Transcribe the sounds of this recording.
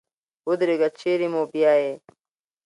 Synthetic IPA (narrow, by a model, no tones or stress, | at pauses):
hud̪ɾiɡɐt͡ɕʰiɾimoːbijaːe